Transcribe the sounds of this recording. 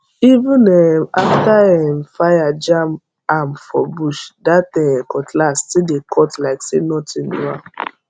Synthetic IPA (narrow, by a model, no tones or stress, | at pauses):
ivũnemaftahɛm̩fajad͡ʒam | am̩fɔbuʃdatɛ̃ɛkɔtlastidekʰɔtlaɪksenɔtʰĩnṵa